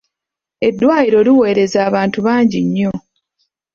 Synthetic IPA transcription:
e̞dːwaːjiɾo̞liwe̞ːɾe̞zaːβaːntuβaːɲɟiɲːo̞

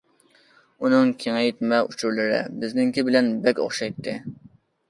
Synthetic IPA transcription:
unɨŋkʲʰeŋɛjt̪mɛut͡ʃʰuɾlɨɾɪ̰bɪznɪŋkʲibɪlɛnbɛkʲo̰χʃɑjt̪ʰːɨ

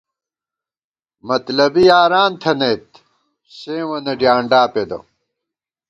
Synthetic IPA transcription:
mɐt̪lɐbijaːɾaːnt̪ʰɐnet̪ | seːwɐnɐɖjaːɳɖaːped̪ɐ̰

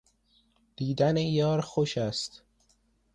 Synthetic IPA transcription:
d̪̥iːd̪ænejɒːɾxoʃæst̪

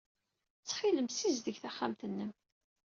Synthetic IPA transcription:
t͡sːχiləmsizd̪əʝθaχːamt̪ənːəm

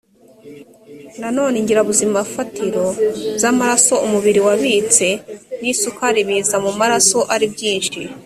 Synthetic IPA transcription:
nano̞ːneɲɟiɾaβuzimafatʰiɾo̞bzamaɾaso̞umuβiɾiwaβit͡se̞nisukaɾiβizamumaɾaso̞ʔaɾibɟiːnʃi

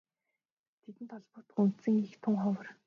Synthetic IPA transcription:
t̪ʰet̪ɘ̆nt̪ɔɮpʊːt̪ə̆qun̥t̪sɘ̆ŋixt̪ʰʊŋχɔwə̆r

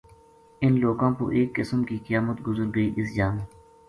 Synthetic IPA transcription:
ɪnloːɡãːko̰ʔeːkːɪsəmkiːkəjaːmət̪ɡʊzəɾɡəiːʔɪsd͡ʒaːme

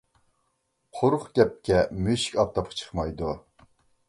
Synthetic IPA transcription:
qʰoɾʊχɡʲɛp̚kʲɛmyʃi̥kʲɑp̚t̪ʰɑpʰχʰt͡ʃʰə̥χmɑjd̪u

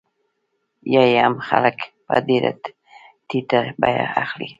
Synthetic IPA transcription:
jajamxa̰lak | pa̰d̪iɾa̰t̪ | t̪it̪abaja̰axli

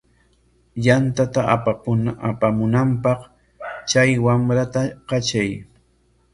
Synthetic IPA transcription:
jant̪at̪a | apamʊnampɑq | t͡ʃajwamɾat̪aqɑt͡ʃaj

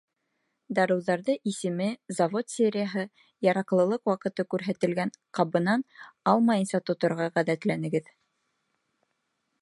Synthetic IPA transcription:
d̪ɑɾɤ̆wðɑɾðɤʔisɘ̆mɘzɑvot̪sʲeɾʲɪjaɦɤ | jɑɾɑqlˠɤ̆lˠɤqwɑqɤ̆t̪ɤkʉɾɦæt̪ɘ̆lɡænqɑβɤ̆nɑnɑlˠmɑjɤnsɑt̪ŏt̪ŏɾʁɑʁæðæt̪lænɘ̆ɡɘð

